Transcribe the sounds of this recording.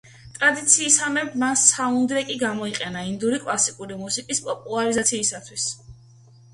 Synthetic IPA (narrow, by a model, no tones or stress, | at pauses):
t̪ʼɾad̪it̪sʰiːsamɛbmansaund̪ɾɛkʼiɡamɔiqʼɛnaind̪uɾikʼlˠasikʼuɾimusikʼispʼɔpʼulˠaɾizat̪sʰiːsat̪ʰwis